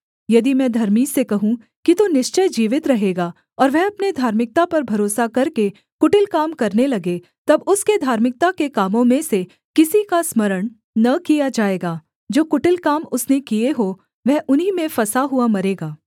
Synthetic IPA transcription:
jɐd̪imɛ̃ːd̪ʱɐɾmiːsekɐɦũ | kit̪onɪʃt͡ʃəjd͡ʒiːʋɪt̪ɾɐɦeːɡaː | ɔːɾʋɛɦɐpned̪ʱaːɾmɪk̚t̪apɐɾbʱɐɾoːsakɐɾke | kʊʈɪlkaːmkɐɾnelɐɡe | t̪ɐbʊsked̪ʱaːɾmɪk̚t̪akekaːmõmẽse | kɪsikasmɐɾəɳ̃ | nɐkijad͡ʒaːeːɡaː | d͡ʒoːkʊʈɪlkaːmʊsnekieɦoː | ʋɛɦʔʊnɦimẽfɐsaɦuamɐɾeːɡaː

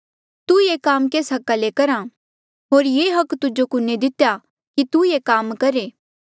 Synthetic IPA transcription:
t̪ujeːkaːmkeːsɦɐkalekɐɾã | ɦoːɾjeːɦɐkːt̪ʊd͡ʒokʊnːed̪ɪt̪eja | kit̪ujekaːmkɐɾeː

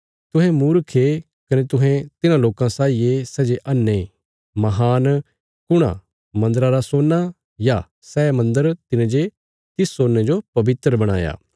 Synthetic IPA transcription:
t̪ʊ̃ɦɛ̃muːɾkʰe | kɐnet̪ʊɦɛ̃t̪ɪnãloːkãsaːijesɛːd͡ʒeʔɐnːe | mɐɦaːn | kʊɽ̃ã̰ | mɐ̃nd̪əɾaɾasoːnːa | ja | sɛːmɐ̃nd̪əɾt̪ɪnẽd͡ʒe | t̪ɪsːoːnːed͡ʒopɐbɪt̪ɾəbɐɽ̃a̰ːja̰ː

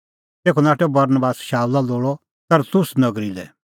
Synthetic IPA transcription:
t̪eːkʰɔnaːʈɛbɐɾnbaːsʃaːulaloːɭɔ | t̪ɐɾt̪ʊsnɐɡɾilɛ̰

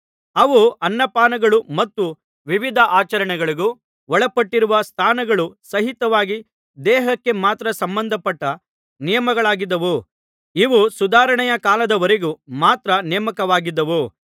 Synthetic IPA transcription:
ɐʋuʔɐnːɐpaːnɐɡɐɭumɐt̪ːu | ʋiʋid̪ʱɐʔaːt͡ʃɐɾɐɳɛɡɐɭiɡu | ʋɔɭɐpɐʈːiɾuʋɐst̪ʰaːnɐɡɐɭusɐɦit̪ɐʋaːɡi | d̪ɛːɦɐkːe̞maːt̪ɾɐsɐmbɐnd̪ʱɐpɐʈːɐ | nijɐmɐɡɐɭaːɡid̪ːɐʋu | iʋusud̪aːɾɐɳɛjɐkaːlɐd̪ɐʋɐɾeɡumaːt̪ɾɐnɛjɐmɐkɐʋaːɡid̪ːɐʋu

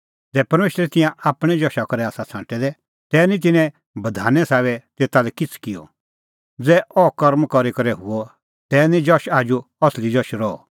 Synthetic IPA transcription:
d͡zɛːpɐɾmeːʃəɾɛt̪ɪ̃jãaːpɽ̃ɛ̃d͡ʒɔʃakɐɾɛaːsat͡sʰã̰ːʈɛd̪ɛ | t̪ɛːnĩt̪̬ɪnɛ̃ | bɐd̪ʱa̰ːnɛsaːβɛt̪eːt̪alɛkɪt͡sʰkɪjɔ̰ | d͡zɛːʔɔkɐɾmkɔɾikɐɾɛɦʊɔ | t̪ɛːnĩd͡ʒɔʃaːd͡ʒuɐslid͡ʒɔʃɾɔɔ̰

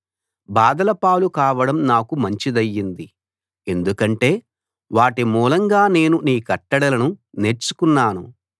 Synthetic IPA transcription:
baːd̪ɐlɐpaːlukaːʋɐɽɐmnaːkumɐɲt͡ʃid̪ɐjːind̪i | e̞nd̪ukɐɳʈe̞ː | ʋaːʈimuːlɐŋɡaːne̞ːnuniːkɐʈːɐɽɐlɐnune̞ɾt͡ʃu̥kunːaːnṵ

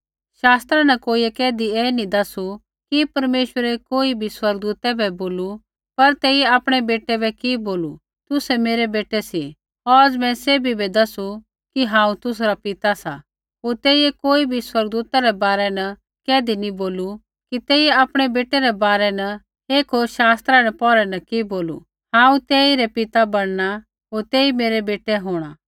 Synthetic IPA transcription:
ʃaːst̪ɾanɐkoːiɛkɛːd̪iɛːnid̪ɐsu | kipɐɾmeːʃwəɾɛkoːibʱiswɐɾɡ̚d̪uːt̪ɛbʱɛboːlu | pɐɾt̪ɛːiɛaːpɽ̃ɛbeːʈɛbɛkiboːlu | t̪ʊsɛmeːɾɛbeːʈɛsi | ɔɾɐd͡zmɛ̃seːbʱibɛd̪ɐsu | kiɦãːũt̪ʊs̬ɾapɪt̪asa | oːɾt̪eːiɛkoːibʱiswɐɾɡ̚d̪uːt̪aɾɛbaːɾɛnɐ | kɛːd̪iniboːlu | kit̪eːieaːpɽ̃ɛbeːʈɛɾɛbaːɾɛnɐ | eːkʰɦoʃaːst̪ɾaɾɛpɔːɾɛnɐkiboːlṵ | hãːũt̪eːiɾɛpɪt̪abɐɽ̃na | ɦoːɾt̪eːimeːɾɛbeːʈɛɦoːɽ̃aː

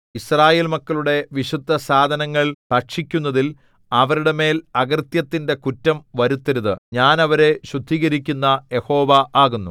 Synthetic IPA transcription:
israːje̞ːlmɐkːɐɭuɽe̞ʋiɕud̪ʱːɐsaːd̪ʱɐnɐŋːɐɭpɐkʂikʲːunːɐðil | ɐʋɐɾuɽe̞me̞ːlɐɣɐrt̪jɐt̪ːinde̞kutːɐmʋɐɾut̪ːɐɾuðɨɲaːnɐʋɐɾe̞ɕud̪ʱːiːɣɐɾikʲːunːɐje̞ho̞ːʋɐaːɣunːu

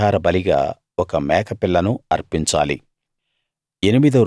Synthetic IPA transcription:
aːɾɐbɐliɡa̰ː | ɔkɐmɛːkɐpilːɐnuɐɾpiɲt͡ʃa̰ːlḭ | e̞nimid̪ɐɾ

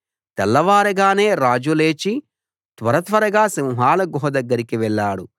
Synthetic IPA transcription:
t̪ɛlːɐʋaːɾɐɡaːne̞ːɾaːd͡ʒule̞ːt͡ʃi | t̪ʋɐɾɐt̪ʋɐɾɐɡaːsimuɦaːlɐɡɔɦɐd̪ɐɡːɐɾikiʋɛɭːaːɽu

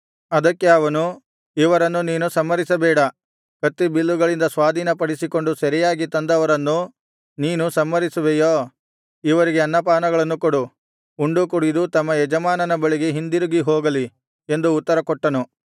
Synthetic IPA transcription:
ɐd̪ɐkːe̞ɐʋɐnu | iʋɐɾɐnːuniːnusɐmːɐɾisɐbɛːɽɐ | kɐt̪ːibilːuɡɐɭind̪ɐsʋaːd̪ʱiːnɐpɐɽisiko̞ɳɖusɐɾijaːɡit̪ɐnd̪ɐʋɐɾɐnːu | niːnusɐmːɐɾisuʋejoː | iʋɐɾiɡeɐnːɐpaːnɐɡɐɭɐnːukoɽu | uɳɖukuɽid̪ut̪ɐmːɐɛd͡ʒɐmaːnɐnɐbɐɭiɡe̞ɦind̪iɾuɡiɦoːɡɐli | e̞nd̪uːt̪ːɐɾɐkɔʈːɐnu

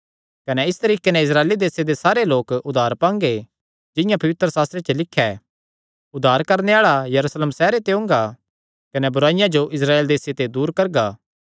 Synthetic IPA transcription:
kɐnɛɪst̪ɐɾiːkenɛ̃ɪs̬ɾaːeːlid̪eːsed̪esaːɾeloːkʊd̪ʱːaːɾpãːŋɡe | d͡ʒɪ̃jãpɐʋɪt̪ɾəsaːst̪ɾet͡ʃelɪkʰːɛ | ʊd̪ʱːaːɾkɐɾneaːɭajɐɾuːsleːmsɛːɾet̪eʊ̃ːŋɡa | kɐnɛbʊɾaːɪjãd͡ʒoʔɪsɾaːeːld̪eːset̪ed̪uːɾkɐɾɡaː

